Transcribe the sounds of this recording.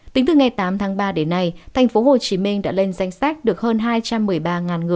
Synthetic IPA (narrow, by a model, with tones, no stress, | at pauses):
t̪ï˨˦ŋ̟t̪ɨ˨˩ŋa˨˩jt̪aː˨˦mt̪ʰaː˨˦ŋɓaː˧ɗe˨˦nːa˧jt̪ʰɛ˨˩jŋ̟fo˨˦ho˨˩t͡ɕi˨˦mï˧ŋɗa̰ː˧˥le˧nza˧jŋ̟sɛ˦˥k̚ɗɨ˨˩ək̚həː˧nɦaː˧jt͡ɕa˧mːɨ˨˩əjɓaː˧ŋaː˨˩nŋɨ˨˩əj